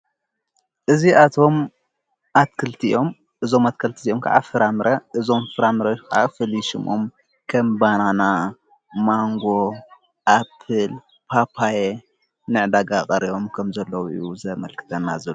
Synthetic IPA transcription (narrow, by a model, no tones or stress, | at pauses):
ʔɨziʔat̪ʰo̞m | ʔat̪kʰɨlt̪ʰiʔo̞m | ʔɨzo̞mat̪̚kʰɐlt̪ʰiziʔomkʰa̰ʕa̰fɨɾamɨɾʔɐʔɨzo̞mfɨɾamɨɾɐkʔa̰fɨliʃɪmo̰m | kʰɐmbanana | maŋɡo̞ | ʔapʰɨl | pʰapʰaje | nɨʕd̪aɡakʼɐɾijo̞mkʰɐmzɐlːɐwʔɨ̰juzɐmɐlkʰɨ̥t̪ʰɐnːa̰zɐlu